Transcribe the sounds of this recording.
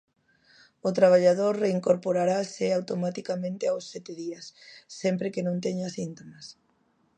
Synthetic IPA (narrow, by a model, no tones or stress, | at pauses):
ʊt̪ɾaβ̞aʎað̞oɾreiŋkoɾpoɾaɾaseawt̪omat̪ikamẽnt̪eawsːɛt̪eðiasːɛmpɾekenõnt̪eɲasint̪omas